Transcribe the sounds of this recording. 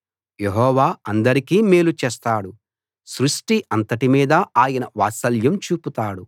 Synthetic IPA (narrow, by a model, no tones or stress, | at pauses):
je̞ɦɔːʋaːɐnd̪ɐɾikiːmeːlut͡ʃeːst̪aːɽu | sɾuʂʈiʔɐnt̪ɐʈimiːd̪ɐaːjɐnɐʋaːsɐljɐmt͡ʃuːput̪aːɽu